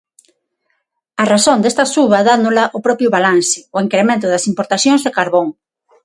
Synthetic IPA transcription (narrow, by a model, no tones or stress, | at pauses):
arasond̪est̪ɐsuβɐðanʊlaʔʊpɾɔpɾjʊβalansɪʊeŋkɾemẽnt̪ʊðɐsimpoɾt̪aθjoŋzðekaɾβoŋ